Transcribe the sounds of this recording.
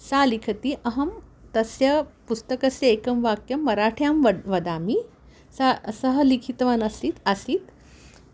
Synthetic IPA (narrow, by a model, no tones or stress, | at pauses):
salikʰət̪iːʔɐɦɐmt̪əsjɐpust̪əkɐsjɐekɐmʋakjəmmːɐɾaʈʰjamʋəʋɐd̪ami | sasəɦəlikʰit̪ʋanəsiːt̪asiːt̪